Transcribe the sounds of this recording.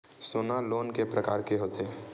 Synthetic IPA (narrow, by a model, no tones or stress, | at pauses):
soːnaloːnkepɾəkaːɾkeɦoːt̪eː